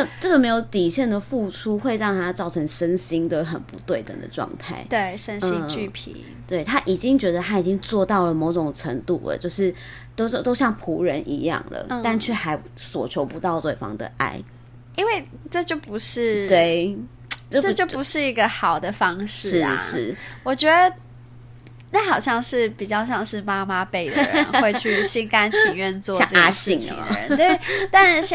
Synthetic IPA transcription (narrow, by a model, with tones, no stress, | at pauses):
nə˥˧ʈ͡ʂə˥˩ɡə˩me˧˥ɪjo˧˦ʊt̪i˨˩ɕjɛ˥˩nd̪ə˩fu˥˩ʈ͡ʂʰu˥xwe˥˧ɪɻɑ˥˩ŋt̪ʰa˥t͡sɑ˥˩ʊʈ͡ʂʰə˧˥ŋʂə˥nɕi˥ŋd̪ə˨xə̰˨˩npṵ˧˦t̪we˥˩ɪt̪ə̰˨˩ŋd̪ə̰˩ʈ͡ʂwɑ̰˥˧ŋt̪ʰa̰˥˩ɪt̪we˥˩ɪʂə˦nɕi˥ŋt͡ɕy˥˩pʰḭ˨˩ | t̪we˥˩ɪt̪ʰa˦ʔi˨˩t͡ɕi˦˥ŋt͡ɕɥɛ˧˥d̪ə˧t̪ʰa˥i˨˩t͡ɕi˦˥ŋt͡swɔ˥˧t̪ɑ˥˩ʊlə˩mo˧˥ʊʈ͡ʂo˨˩ŋʈ͡ʂʰə˧˥ŋt̪ṵ˥˩lə̰˩t͡ɕjo˥˧ʊʂɻ̩˥˩ | t̪ʊo˥˧t̪o˥ʊɕjɑ˥˩ŋpʰu˧˥ɻə˧˦nʔḭ˧˥jɑ̰˥˩ŋlə̰˩˧a˥˧nt͡ɕʰɥɛ˥˩xa˧˥ɪ | swɔ̰˨˩t͡ɕʰjo˧˥ʊpu˧˦t̪ɑ˥˧ʊt̪we˥˩ɪfɑ̰˥ŋd̪ə̰˨ʔa̰˥˩ɪ | i˥nwe˥˧ɪʈ͡ʂɤ˥˧t͡ɕjo˥˩ʊpu˧˥ʂɻ̩˥˩t̪we˥˩ɪ | t͡ɕo˥˩ʈ͡ʂt͡ɕjo˥˩ʊpu˧˥ʂɻ̩˥˩i˧˥ɡə˧xɑ˨˩ʊd̪ə˦fɑ˥ŋʂʂɻ̩˥ɻ̩˥ʂɻ̩˥˩wɔ˨˩t͡ɕɥɛ˧˦˥d̪ə˧ | na˥˩xɑ˨˩ʊɕjɑ˥˧ŋʂɻ̩˥˩pi˨˩t͡ɕjɑ˥˧ʊɕ̬jɑ˥˧ŋʂɻ̩˥˩ma˥ma˦pe˥˩ɪd̪ə̰˧˩ɻə̰˧˦n˧we˥˧ɪt͡ɕʰy˥˩ɕi˥nka˥nʰi˨˧˥ŋɥɛ˥˧nt͡swɔ˥˧ɑ˥˧ə˧a˥˧ɕ̩i˥˩ŋʰḭ˨ŋ̰˨ə˦t̪we˥˩ɪt̪a˥˧˥